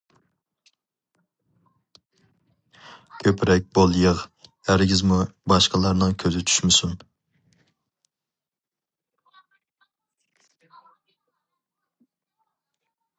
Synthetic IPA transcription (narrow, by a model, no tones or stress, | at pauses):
kʲʰøpʰɾɛk̚ʲbolˠjəʁ | æɾɪɡʲɪzmubɑʃqɑlˠɑɾnɨŋkʲʰøzɪt͡ʃʰy̥ʃmɪsun